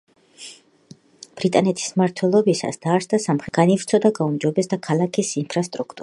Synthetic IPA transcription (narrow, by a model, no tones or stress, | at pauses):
b̥ɾit̪ʼanɛt̪ʰi̥smaɾt̪ʰwɛlˠɔbisa̰sd̪̥aɾsd̪asamχɾɛɡ̥anivɾt̪sʰɔd̪aɡaumd͡ʒɔbɛsd̪akʰalˠakʰisinpʰɾast̪ʼɾukʰt̪ʼuɾa